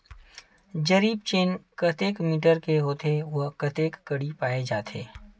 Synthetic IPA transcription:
d͡ʒɐɾiːb̚t͡ʃeːnkɐt̪eːkmiːʈəɾkeɦoːt̪eʋoɦkɐt̪eːkːɐɽipaːed͡ʒaːt̪ʰḛː

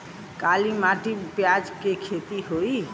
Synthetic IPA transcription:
kalimaʈipjad͡ʒkekʰet̪iɦoi

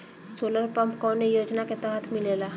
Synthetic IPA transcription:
soːləɾpɐmpkɔːnejoːd͡ʒnaket̪ɛɦət̪ʰmɪleːlaː

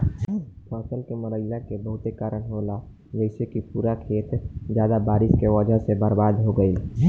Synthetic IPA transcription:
pʰaːsəlkeməɾəɪjakebəɦʊt̪ekaːɾənɦola | d͡ʒəɪsekipuːɾakʰeːt̪d͡ʒjaːd̪abaːɾɪskeʋəd͡ʒʱəɦsebaːɾbaːd̪ɦoɡəi

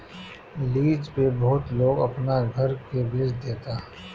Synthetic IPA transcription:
liːd͡ʒpebɔɦʊt̪loːɡɐpnaɡʱɐɾkebeːsd̪eːt̪aː

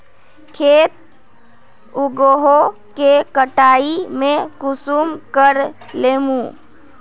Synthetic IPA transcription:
kʰeːt̪̚ | ʊɡoɦokekəʈaːimẽkʊsumkəɾ | leːmũ

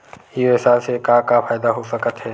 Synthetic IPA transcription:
iɪsaːlsekãkapʰaːjd̪aɦosəkət̪ɦɛː

